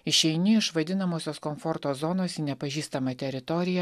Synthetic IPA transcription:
ɪʃʲɛɪnʲɪɪʃʋɐd̪ʲɪnɐmoːsʲoːskomfɔɾt̪oːzɔnoːsiːnʲɛpɐʒʲiːst̪ɐmɐt̪ʲɛɾʲɪt̪ɔɾʲɪjɛ

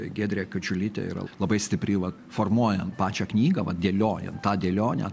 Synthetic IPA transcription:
ɡʲeːd̪ʲɾʲeːkɐt͡ʃʲʊlʲɪt̪ʲḛḭɾɐ̰lˠɐbɐɪsʲt̪ʲɪpʲɾʲɪʋɐt | foːrmuɔjɛnpɑːt͡ʃʲɛːknʲiːɡɐʋɐdʲeːlʲoːjɛ̰ntt̪ɑːd̪ʲeːlʲoːnʲɛ̰

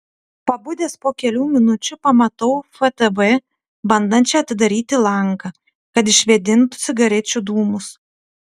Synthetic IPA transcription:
pɐbʊd̪ʲeːspoːkʲɛlʲuːmʲɪnʊt͡ʃʲʊpɐmɐt̪ɐʊfɛt̪ɛbɛ | bɐnd̪ɐnʲt͡ʃʲɛɐt̪ʲɪd̪ɐɾʲiːt̪ʲɪlˠɐŋkɐ | kɐt̪̬ɪʃʲʋʲɛd̪ʲɪnt̪ʊ̥sʲɪɡɐɾʲɛt͡ʃʲʊd̪uːmʊs

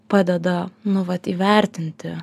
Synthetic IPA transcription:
pɑːd̪ʲɛd̪ɐnʊʋɐt̪iːʋʲɛɾʲt̪ʲɪnʲt̪ʲɪ

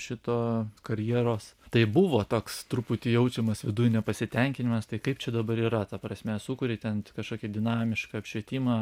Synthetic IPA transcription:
ʃʲɪt̪oːkɐɾʲjiɛɾoːst̪ɐɪbʊʋoːt̪oːkst̪ɾupʊt̪ʲɪjɛʊt͡ʃʲɛmɐsʋʲɪd̪ujnʲɛpɐsʲɪt̪ʲɛŋʲkʲɪnʲɪmɐst̪ɐɪkɐɪpt͡ʃʲɛd̪ɐbɐɾiːɾɐt̪ɐpɾɐsʲmʲɛsukʊɾʲɪt̪ʲɛnʲkɐʃkoːkʲid̪ʲɪnɑːmʲɪʃkɐɐpʲʃʲʋʲiɛt̪ʲiːmɑː

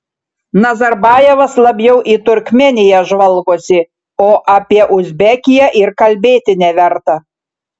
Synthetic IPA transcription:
nɐzɐɾbɑːjɛʋɐslˠɐbʲjɛʊʔit̪ʊɾʲkʲmʲɛnʲɪjɛʒʋɐlˠɡoːsʲɪ | oːʔɐpʲiɛʔʊzʲbʲɛkʲɪjɛʔɪɾkɐlʲbʲeːt̪ʲɪnʲɛʋʲɛɾt̪ɐ

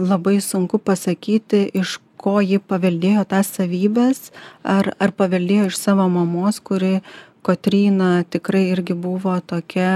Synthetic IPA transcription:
lˠɐbɐɪsʊŋkʊpɐsɐkʲiːt̪ʲɪʔɪʃkoːjɪpɐʋʲɛlʲd̪ʲeːjoːt̪ɑːssɐʋʲiːbʲɛːsɐrɐrpɐʋʲɛlʲd̪ʲeːjoːɪʃsɑːʋoːmɐmoːskʊɾʲɪ | koːt̪ʲɾʲiːnɐt̪ʲɪkɾɐɪɪɾʲɡʲɪbʊːʋoːt̪oːkʲɛ

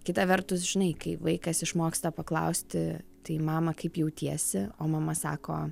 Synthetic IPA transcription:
kʲɪt̪ɐʋʲɛrt̪ʊs̬ʒʲɪnɐɪkɐɪʋɐɪkɐsɪʃmoːkst̪ɐpɐklˠɐ̰ʊsʲt̪ʲɪt̪ɐɪmɑːmɐkɐɪpjɛʊt̪ʲiɛsʲɪoːmɐmɐsɑ̰ːkoː

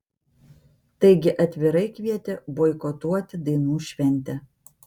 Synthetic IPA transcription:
t̪ɐɪɡʲɪʔɐt̪ʲʋʲɪɾɐɪkʲʋʲiɛt̪ʲeboːɪkɔt̪uɔt̪ʲɪd̪ɐɪnuːʃʲʋʲɛnʲˑt̪ʲɛ

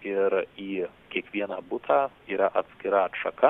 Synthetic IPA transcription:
ɪɾiː | kʲiɛkʋʲiɛnɑːbʊt̪ʰaː | iːɾɐʔɐt̪ʲsʲkʲɪɾɐɐtʃɐkɐ

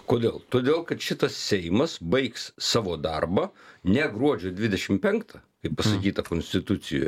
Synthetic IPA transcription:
koːd̪ʲeːlˠt̪oːd̪ʲeːlˠkɐt̪ʃʲɪt̪ɐssʲɛɪmɐsbɐɪkssɑːʋoːd̪ɐrbɐnʲɛɡɾuɔd͡ʒʲoːd̪ʲʋʲɪd̪ʲɛʃʲɪmpʲɛŋkt̪ʰɐkɐɪppɐsɐkʲiːt̪ɐkoːnʲsʲt̪ʲɪt̪ʊt̪sʲɪjo̰ːj

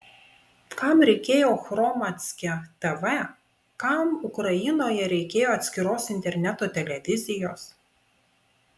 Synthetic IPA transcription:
kɐˑmɾʲɛɪkʲeːjoːxɾɔmɐt̪ʲsʲkʲɛt̪ɛʋɛ | kɐmʊkɾɐjɪnoːjɛɾʲɛɪkʲeːjoːɐt̪sʲkʲɪɾoːsɪnʲt̪ʲɛɾʲnʲæt̪oːt̪ʲɛlʲɛʋʲɪzʲɪjoːs

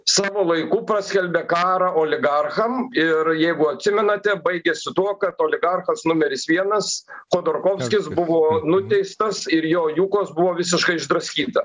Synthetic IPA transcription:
sɑːʋoːlˠɐɪkuːpɾɐsʲkʲɛlʲbʲeːkɑːɾɐʔoːlʲɪɡɐrxɐmɪɾjɛɪɡʊɐt̪ʲsʲɪmʲɛnɐt̪ʲɛbɐɪɡʲesʲɪt̪uɔkɐt̪oːlʲɪɡɐrxɐsnʊmʲɛɾʲɪsʋʲiɛnɐsxoːd̪oːrkoːfʲsʲkʲɪsbʊʋoːnʊt̪ʲɛɪst̪ɐsɪɾjoːjuːkoːsbʊʋoːʋʲɪsʲɪʃkɐɪɪʒd̪ɾɐsʲkʲiːt̪ɐ

